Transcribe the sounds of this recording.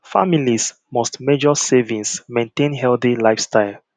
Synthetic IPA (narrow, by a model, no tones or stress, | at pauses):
fa̰milis | mɔstmed͡ʒɔsevĩŋsmẽntẽnɦɛlθilaɪfstaɪl